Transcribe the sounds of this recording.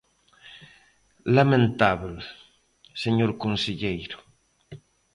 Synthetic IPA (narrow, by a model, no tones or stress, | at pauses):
lamẽnt̪aβl | seɲoɾkonseʎejɾʊ̥